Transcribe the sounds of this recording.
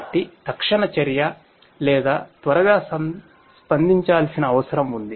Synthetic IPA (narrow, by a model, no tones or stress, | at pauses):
ʈːit̪ɐkʂɐɳɐt͡ʃɐɾjɐ | lɛːd̪aːt̪ʋɐɾɐɡaːsɐ | spɐnd̪iɲt͡ʃaːlsinɐːʋɐsɐɾɐmund̪i